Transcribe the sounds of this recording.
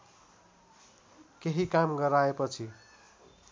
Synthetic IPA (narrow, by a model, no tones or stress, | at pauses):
keɦikamɡʌɾaepʌt͡sʰi